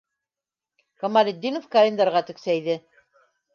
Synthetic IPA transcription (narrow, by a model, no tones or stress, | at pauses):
kɐmalʲed̪ʲːinofkɐlʲend̪ɑɾʁɑt̪ɵ̆ksæjðɘ